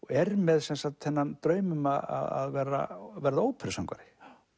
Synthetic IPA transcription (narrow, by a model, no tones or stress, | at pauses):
ɛɾmɛðsɛnsat̪hɛnːant̪ɾœːɥmʏmaða̰ða̰ðvɛːra̰vɛɾðaoːwpʰœɾsaŋkvaɾɪ